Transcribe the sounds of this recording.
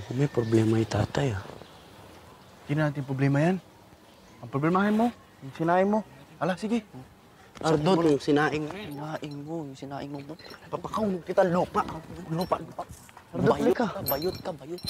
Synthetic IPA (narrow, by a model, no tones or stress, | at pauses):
kʊmajpɾoblɛːmait̪a̰ːt̪aja | k̪ɪnanaːt̪̬ɪŋpɾoblɛmajan | aŋpɾoblɛmaːɦanmo | ŋsɪnaːʔɪŋmoalasiɡɪ | ʔaɾd̪ot̪ʊŋsɪnaːʔɪŋmonaʔɪŋmojʊŋsɪnaːʔɪŋmomopapakawmʊkit̪alupaʔlupa̰ʔlupa | aɾd̪oɪkaabajʊt̪̚kabajʊt̪̚